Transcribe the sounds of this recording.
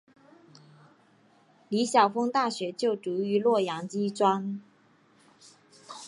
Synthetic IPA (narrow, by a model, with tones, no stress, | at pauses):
li˧˥ɕjɑ˨˩ʊfɤ˥ŋt̪a˥˩ɕɥɛ˧˥t͡ɕjo˥˩ʊʈ͡ʂu˧˥y˧˥lwɔ˥˩jɑ˧˥ŋt͡ɕi˥ʈ͡ʂwa˥n